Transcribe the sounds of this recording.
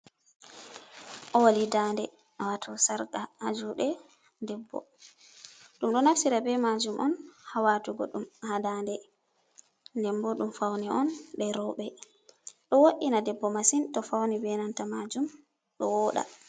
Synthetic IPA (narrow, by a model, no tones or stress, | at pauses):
ʔɔwalidandɛ | awatʰɔsaɾkaad͡ʒuɗɛ | dɛbːɔ̰ | ɗumɗɔnafsiɾabɛmad͡ʒumʔɔ̰nhawatuɡɔ̰ɗumhadandɛ | ndɛmbɔɗumfawniʔɔnɗɛɾɔwɓɛ | ɗɔwoʔinadɛbːɔmasintɔfawnibɛnantamad͡ʒum | ɗɔwɔɗa̰